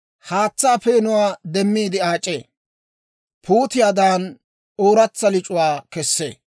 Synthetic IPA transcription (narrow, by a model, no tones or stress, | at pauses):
haːt͡sːaːfeːnʊwaːd̪ɛmːiːd̪ɪaːt͡ʃʼːeː | pʰuːt̪ɪjaːd̪aːn | oːɾɐt͡sːɐlɪt͡ʃʼʊwaːkɛsːḛː